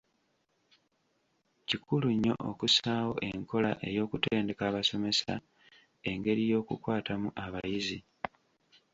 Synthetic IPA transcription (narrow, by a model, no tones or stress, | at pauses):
cikuluɲːo̞̰ʔo̰kusaːwo̞̰ʔe̞ŋko̞laʔejo̞ːkuteːnde̞kaːβaso̞me̞sa̰ | e̞ŋɡe̞ɾijo̞ːkukwaːtamuʔaβajizi